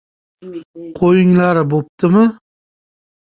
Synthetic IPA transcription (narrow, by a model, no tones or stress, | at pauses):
qʰojɪŋlaɾɪbop̚t̪ʰɪmɪ